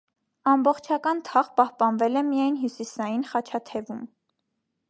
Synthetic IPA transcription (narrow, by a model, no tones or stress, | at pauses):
ɑmbɔχt͡ʃʰɑkɑnt̪ʰɑʁpɑhpɑnvɛlɛmijɑjnɦjusisɑjinχɑt͡ʃʰɑt̪ʰɛvum